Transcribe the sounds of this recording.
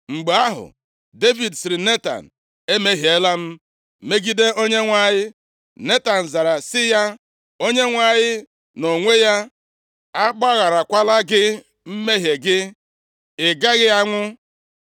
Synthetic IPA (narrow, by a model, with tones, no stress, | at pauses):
ŋ͡m̩˨ɡ͡be˨a˦ɦʊ̰˨ | de˦vi˨dsɪ˨ɾɪ˨ne˦ta̰˨n̩˨ | e˦me˦ɦe˦la˦m̩˦ | me˦ɡi˦de˦o˦ɲe˦ŋʷa˦˨jɪ˦ | ne˦ta˨n̩˨za˨ɾa˨sɪ˦ja˦ | o˦ɲe˦ŋʷa˨ɲɪ˦ | no˨ŋʷe˦ja˦ | a˦k͡pa˦ɣa˨ɾa˨kʷa˦la˦ɡɪ˦ | m̩˦me˦ɦje˨ɡɪ˦ | ɪ˨ɡa˦ɣɪ˦a˦ŋʷʊ˦